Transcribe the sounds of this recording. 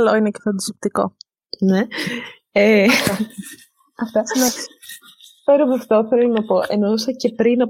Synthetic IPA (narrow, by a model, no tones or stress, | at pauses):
loinecefɐnd̪ɐsop̚t̪iko̞̰ | ne | e | ɐft̪ɐno | peɾomɐft̪o̞θe̞lonɐpo̞ʔenosɐce̞pɾinɐ